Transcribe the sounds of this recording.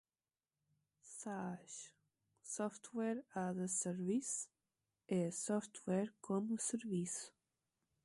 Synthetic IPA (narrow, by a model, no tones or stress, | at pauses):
saʃ | sɔft̪wɛɾaðəsəɾvis | esɔft̪wɛɾkʰɔmusəɾvis